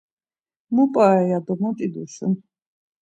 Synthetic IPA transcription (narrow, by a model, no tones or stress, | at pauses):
mupʼajad̪ɔmɔt̪ʼid̪uʃən